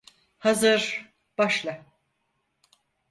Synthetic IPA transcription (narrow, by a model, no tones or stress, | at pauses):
hazɯɾ | b̥aʃlˠa